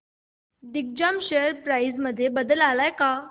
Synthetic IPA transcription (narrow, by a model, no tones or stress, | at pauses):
d̪ik̚d͡ʑamɕeəɾpɾaid͡zməd̪ʱːjebəd̪əlalajka